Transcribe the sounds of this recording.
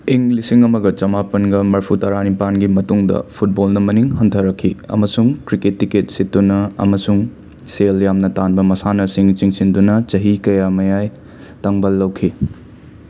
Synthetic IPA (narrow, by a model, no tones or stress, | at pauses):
iŋlisiŋɐmɐɡɐt͡ʃɐmapɐnɡɐmɐɾpʰutɐɾanipanɡimɐtuŋdɐ̰pʰut̚bolnɐmɐniŋɦɐntʰɐɾɐkʰːiɐ̰mɐsuŋkɾiketːiket̚sitdunɐɐ̰mɐsuŋ | seljamnɐtanbɐmɐsanɐsiŋt͡ʃiŋsindunɐt͡ʃɐɦikɐjamɐjaj | tɐŋbɐlːɐwkʰi